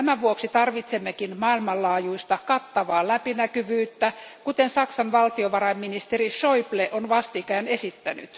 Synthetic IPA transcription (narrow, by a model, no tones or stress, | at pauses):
æmæʋuoksit̪ɑrʋit̪semːekinmɑilmɑllɑːjuist̪ɑkɑt̪ːɑʋɑːlæpinækyʋyːt̪ːækut̪ensɑksɑnʋɑlt̪ioʋɑrɑimminist̪eriʃoipleʔonʋɑst̪ikæːnesit̪ːæny̰t̪